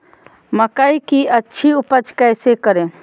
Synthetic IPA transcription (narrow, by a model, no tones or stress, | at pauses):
məkaikiɐtːʃʰiʊpət͡ʃkəːsekəɾẽ